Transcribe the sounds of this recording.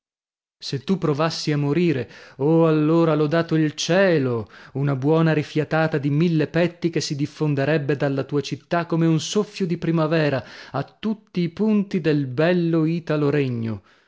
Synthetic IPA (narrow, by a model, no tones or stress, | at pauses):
set̪ːupːɾovasːiamːoɾiːɾeoalːoːɾalɔd̪aːt̪oilt͡ʃɛːlounabwɔːnaɾifjat̪aːt̪ad̪imilːepɛt̪ːikesːid̪ifːond̪eɾɛbːed̪alːat̪uːat͡ʃit̪ːakːomeunsofːjod̪ipɾimavɛːɾaat̪ːut̪ːiːpunt̪id̪elbɛlːoiːt̪aloɾeɲːo̰